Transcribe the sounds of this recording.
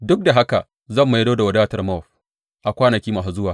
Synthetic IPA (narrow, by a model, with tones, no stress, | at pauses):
dʊ˦k̚da˨ɦa˦ka̰˨ | zɐ˦˨mːu˨jɐ˦doː˦da˨wɐ˨daː˦tɐ˨rmɔ˦˨ɸ | ʔa˨kʷaː˦nɐ˨kʲiː˦ma˨sa˨zʊ˦waː˨